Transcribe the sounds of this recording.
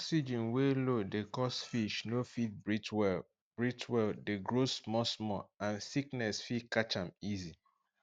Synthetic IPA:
ɔksid͡ʒĩnwelodekɔsfiʃnofit̚bɹitwɛ | b̥ɹitwɛldeɡɹosmɔsmɔãnsiknɛsfikat͡ʃãmizi

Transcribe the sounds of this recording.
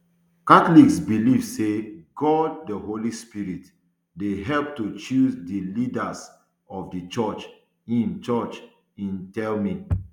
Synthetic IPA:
katliksbilivseɡɔd̚dəɦolispiɹit | deɦɛlp̚tut͡ʃuzdilidas | ɔvdət͡ʃɔt͡ʃ | ĩnt͡ʃɔt͡ʃ | ĩntɛlmĩ

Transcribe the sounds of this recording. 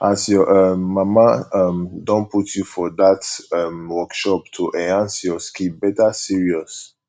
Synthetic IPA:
asjɔʔʌmːamaʌmdɔ̃nputjufɔdatʌmwɔkʃɔp̚tʰuʔɛãnsjɔskibɛtasiɹiɔs

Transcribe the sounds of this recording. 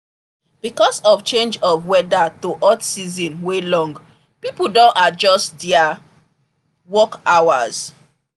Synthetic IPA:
b̥ikɔsɔft͡ʃẽnd͡ʒɔvwɛdatoʔɔtsizĩnwelɔ̃ŋɡ | pipudõnad͡ʒɔstdɛa | wɔkawaz̥

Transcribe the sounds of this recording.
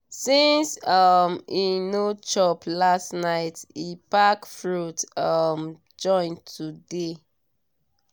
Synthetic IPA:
sĩnsʌminot͡ʃɔpʰlastnaɪtipakfɹutʌm | d͡ʒɔ̃ɪ̃ntʰude

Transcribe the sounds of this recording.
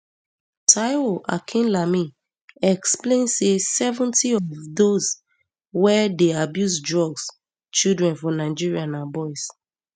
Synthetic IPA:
tʰaɪoʔa̰kʰĩnlami | ɛksplẽnsesɛvɔ̃ntʰiɔvdoz | wɛdeabjuzdɹɔɡs | t͡ʃildɹɛ̃nfɔ̃naɪd͡ʒiɹianabɔɪs

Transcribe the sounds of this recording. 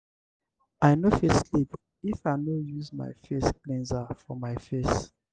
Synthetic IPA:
ajnofeslip | ifaɪnojuzma̰ɪfesklɛ̃nzafɔmaɪfes

